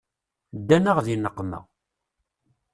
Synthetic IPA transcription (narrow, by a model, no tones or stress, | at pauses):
d̪ːænəʁðinəqːmæ̰